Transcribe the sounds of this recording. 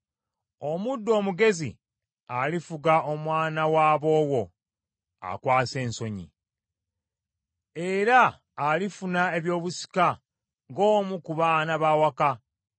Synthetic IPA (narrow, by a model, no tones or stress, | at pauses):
o̞mudːo̞ːmuɡe̞zḭ | alifuɡaʔo̞mwaːnawaːβo̞ːwo̞ | a̰kwaːse̞ːnso̞ɲḭ | e̞ɾaː | lifunae̞βjo̞ːβusi̥ka | ŋɡoːmukuβaːnaβawaka